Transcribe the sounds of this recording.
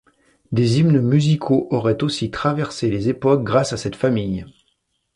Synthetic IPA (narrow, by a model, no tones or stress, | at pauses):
d̪ezimnəmyzikʰoʔɔʁɛt̪osit̪χavɛʁselezepɔk̚ɡʁasasɛt̪famij